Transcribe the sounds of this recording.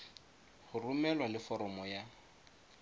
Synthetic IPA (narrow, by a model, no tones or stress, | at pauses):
χʊrumɛlwalɪfɔɾɔmɔja